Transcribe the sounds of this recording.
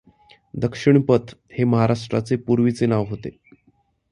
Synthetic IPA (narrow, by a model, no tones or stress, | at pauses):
d̪əkʂiɳpət̪ʰheməɦaɾaʂʈɾa̰t͡sepuɾʋit͡senaʋɦot̪e